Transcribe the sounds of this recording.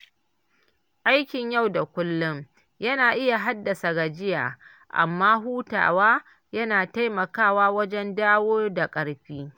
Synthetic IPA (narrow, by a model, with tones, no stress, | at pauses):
ʔa˦jkʲɪ˨ɲja˦˨wda˨kʷʊ˦lːʊ˦m | jɐ˦naː˨ʔɪ˦ja˨ɦa˦dːɐ˨sa˨ɡa˨d͡ʒɪ˦ja̰ː˨ | ʔa̰˨mːaː˦ɦuː˦ta̰ː˨waː˦ | jɐ˦naː˨ta˦jmɐ˨kaː˦˨waː˦wɐ˦d͡ʒɛ˦ndaː˦woː˦da˨kʼɐ˨ɽɸiː˦